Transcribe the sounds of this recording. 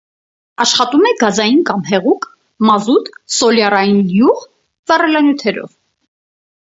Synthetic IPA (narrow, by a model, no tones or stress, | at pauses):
ɑʃχɑt̪umɛɡɑzɑjinkɑmhɛʁukʰ | mɑzut̪sɔljɑrɑjinjuʁ | vɑrɛlɑnjut̪ʰɛɾɔ̰v